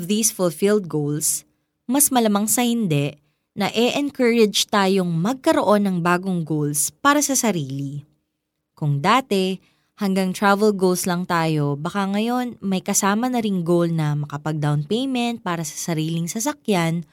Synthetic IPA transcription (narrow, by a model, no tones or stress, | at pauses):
vðiːsfʊlfild̪̚ɡowls | mɐsmɐlɐmɐŋsɐhɪnd̪ɛ | nɐʔɛʔɛnkɛɹɛd͡ʒt̪aːjo̞ŋmɐɡ̚kɐɾo̞ʔo̞nːɐŋbaːɡo̞ŋɡowlspaːɾɐsɐsɐɾiːli | kʊŋd̪aːt̪ɛ | hɐŋɡaŋt̪ɹavɛlɡowlslɐŋt̪aːjo̞bɐkaŋɐjo̞nmɐjkɐsaːmɐnɐɾɪŋɡolnɐmɐkɐpɐɡ̚d̪awnpejmɛnt̪̚paːɾɐsɐ̥sɐɾiːlɪŋsɐsɐkjan